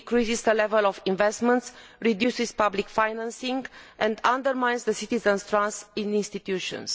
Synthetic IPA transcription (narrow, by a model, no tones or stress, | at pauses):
kɾisizd̪əlɛvəlɔfĩnvɛst̪mə̃nt̪sɹid̪jusiz̥pablikfajnãnsĩŋɡɛ̃nd̪ãnd̪əɾmãjnzðəsit̪izə̃nst̪ɾãnsĩnĩnst̪it̪juʃɔ̰̃ns